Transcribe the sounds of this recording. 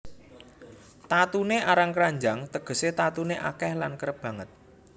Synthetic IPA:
t̪at̪uneʔaɾaŋkɾaɲd͡ʒaŋt̪əɡ̥ə̤set̪at̪uneʔakɛhlankəɾəb̥ä̤ŋət̪̚

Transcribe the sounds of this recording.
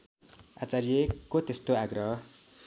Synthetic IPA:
a̰t͡saɾijekːot̪est̪oaɡrʌɦʌ

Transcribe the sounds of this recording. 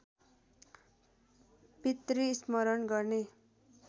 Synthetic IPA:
pit̪riːsmʌɾʌnɡʌrne

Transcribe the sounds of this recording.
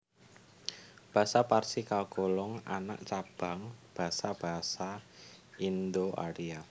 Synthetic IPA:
b̥a̤saparsikalɡolɔŋa̰na̰ʔt͡ʃab̥ä̤ŋb̥a̤sab̥a̤ɦsa | ind̪oʔa̰ɾia

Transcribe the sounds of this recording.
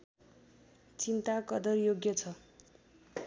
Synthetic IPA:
t͡sint̪akʌd̪ʌrjoɡjʌt͡sʰʌ

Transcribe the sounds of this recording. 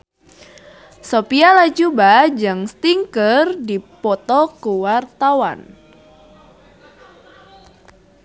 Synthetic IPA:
sopialad͡ʒubad͡ʒɨŋst̪iŋkərdipɔt̪ɔkuwart̪awa̰n

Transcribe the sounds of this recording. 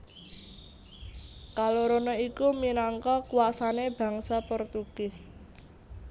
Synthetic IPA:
kaloɾonɔikuminaŋkɔkuwasaneb̥ä̤ŋsapɔrt̪uɡ̥ɪs

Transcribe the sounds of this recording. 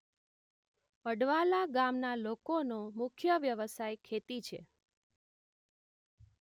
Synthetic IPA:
əɖʋalaɡamnalokonomʊkʰjəʋjəʋəsajkʰet̪it͡ʃʰḛ

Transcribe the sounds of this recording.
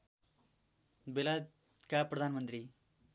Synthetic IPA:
belad | kaprʌd̪ʱanmʌnt̪ri

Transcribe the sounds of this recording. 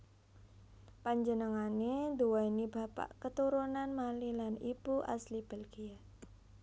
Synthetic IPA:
paɲd͡ʒənəŋanend̪uwainiba̤pa̰ʔkət̪uɾunanmalilanibuʔa̰slib̥əlɡia

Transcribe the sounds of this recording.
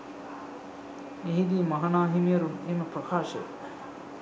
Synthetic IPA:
eɦid̪iːmɐɦanaːɦimijəɾuneːməprəkʰaːʃə̰

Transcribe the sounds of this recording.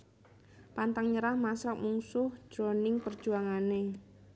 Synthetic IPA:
pant̪aŋɲəɾahmasak̚muŋsʊhd̥ʒ̥ɾonɪŋpərd̥ʒ̥uaŋane

